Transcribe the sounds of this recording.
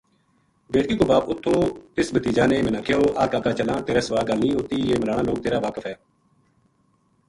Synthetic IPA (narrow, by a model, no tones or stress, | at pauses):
beːʈkiːkoːbaːpʊt̪ʰːõːɪsbət̪iːd͡ʒaːneːmɛ̃ːnãːkʰeoːʔaːkaːkaːt͡ʃəlãːt̪eːɾɛːsəʋaːlɡəlnĩːɦot̪iːeːməɾaːnãːloːk̚t̪eːɾaːʋaːkəfʰɛː